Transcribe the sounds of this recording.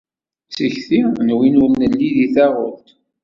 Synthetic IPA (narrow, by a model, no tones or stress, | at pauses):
səçθinwinuɾnəlːiðiθæʁʊlt̪